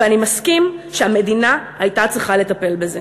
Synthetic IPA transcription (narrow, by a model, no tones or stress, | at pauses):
animaskimʃeame̞d̪inaː | jtat͡sʁiχale̞t̪ape̞lbeze